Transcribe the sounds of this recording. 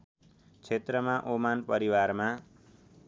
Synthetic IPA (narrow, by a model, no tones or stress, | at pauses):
t͡sʰet̪rʌmaʔomanpʌɾiwarma